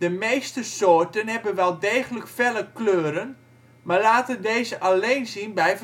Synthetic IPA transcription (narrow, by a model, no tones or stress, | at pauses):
dəmejstəsoːrtənhɛbənʋɛlˠdeːɣələkfɛləkløːɾən | maɹlaːtədeːzəʔaleːnzinbɛjf